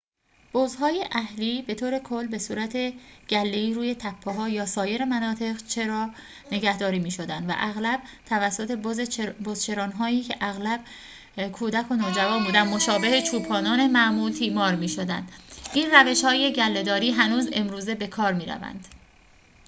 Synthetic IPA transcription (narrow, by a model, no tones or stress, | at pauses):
b̥ozɦɒːjeʔæhliːbe̞t̪ʰoːɾe̞kʰo̞lːbe̞suːɾæt̪ʰe̞ɟ̥ælːeiːɾuːje̞t̪ʰæpʰːeɦɒːjɒːsɒːje̞ɾemænɒːt̪ʰe̞ʁt͡ʃʰe̞ɾɒː | ne̞ɡæhd̪ɒːɾiːmiːʃod̪ænd̪væ̰ʔæɣlæb̥̚t̪ʰævæsːo̞t̪ʰe̞zbozt͡ʃʰe̞ɾɒːnɦɒːiːcʰe̞ʔæɣlæb̥̚ | kʰuːd̪ækʰo̞noːd͡ʒævɒːnbuːd̪ænmo̞ʃɒːbe̞het͡ʃʰuːpʰɒːnɒːne̞mæʔmuːlt̪ʰiːmɒːɾmiːʃo̞d̪æ̰nd̪ʔiːnræve̞ʃhɒːje̞ɟælːe̞d̪ɒːɾiːɦænuːze̞mɾuːze̞be̞kʰɒːɾmiːɾæ̰væ̰nd̪̥